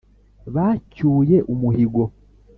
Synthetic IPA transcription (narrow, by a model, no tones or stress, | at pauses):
βacuːje̞ʔumuhiɡo̞